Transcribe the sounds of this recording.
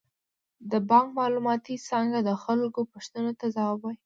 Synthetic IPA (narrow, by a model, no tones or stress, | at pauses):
d̪əbɑŋkmɑlumɑt̪isɑŋɡad̪əxalkopaʃt̪ənot̪azɑwbaj